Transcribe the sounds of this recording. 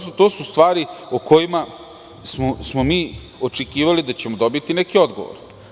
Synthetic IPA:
sut̪o̞ːsust̪ʋaːɾiokojima | smosmomiː | ot͡ʂekiːʋalid̪at͡ɕe̞mo̞d̪o̞bit̪inekiod̪ɡo̞̰ʋo̰ɾ

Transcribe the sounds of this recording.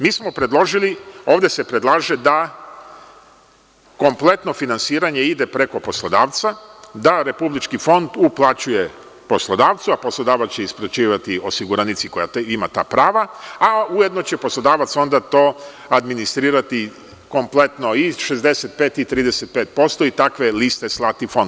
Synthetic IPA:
miːsmo̞pɾe̞d̪lˠo̞ʒilio̞ːʋd̪e̞sepɾed̪lˠaːʒed̪a | ko̞mple̞t̪no̞finansiːɾaɲeid̪e̞pɾe̞ko̞po̞slˠod̪aːʋt̪sad̪aɾe̞publit͡ʃkifo̞nd̪uplˠat͡ɕuje̞ | po̞slˠod̪aːʋt̪suapo̞slˠo̞d̪aːʋat̪t͡ɕeispɾet͡ʃiːʋat̪io̞siɡuɾanit̪siko̞jaimat̪a̰ːpɾaːʋaauje̞d̪no̞t͡ɕe̞po̞slˠo̞d̪aːʋat̪so̞nd̪at̪o̞ː | ad̪minist̪ɾiːɾat̪i | ko̞mple̞t̪no̞iʃezd̪e̞set̪̚peːt̪it̪ɾiːd̪e̞set̪̚peːt̪̚po̞st̪o̞it̪akʋe̞list̪e̞slˠat̪ifo̞nd̪

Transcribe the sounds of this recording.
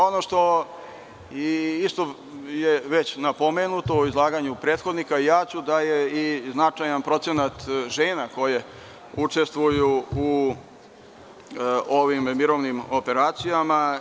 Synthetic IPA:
o̞noʂt̪o̞ | iist̪o | jeʋet͡ɕnapomenut̪oizlˠaːɡaɲupɾeːt̪xo̞d̪nikaijaːt͡ɕud̪ajeiznat͡ʃajanpɾo̞t̪se̞nat̪ʒeːnako̞je̞ | ut͡ʂe̞st̪ʋujuu | oʋimmiɾoʋnimo̞pe̞ɾaːt̪sijama

